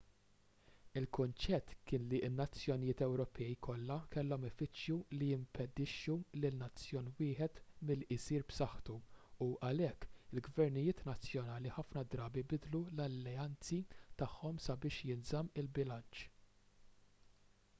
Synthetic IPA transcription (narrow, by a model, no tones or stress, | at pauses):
ɪlkʊnt͡ʃɛt̪ːkɪːnliɪnːɐt͡sːjɔnɪjɪːt̪ɛwɾɔpʰɛjkʰɔlːɐkɛlːɔmɛfɪt͡ʃjulijɪmpɛd̪ɪʃːulɪnnːɐt͡sːjɔːnwɪːħɛt̪mɪlɪsiːɾbsɐħt̪uuʔɐlɛkːɪlɡvɛɾnɪjɪːt̪nɐt͡sjɔnɐːliħɐfnɐd̪ɾɐːbibɪd̪lulɐlːɛɐnt͡sit̪ɐħːɔmsɐbɪːʃjɪnzɐmɪlbɪlɐnt͡ʃ